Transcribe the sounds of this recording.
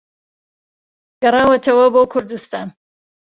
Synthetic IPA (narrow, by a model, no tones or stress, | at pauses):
ɡ̥ɐrɑːwɐt̪ʰɐwɐboːkʰʊɾd̪ɨst̪aːn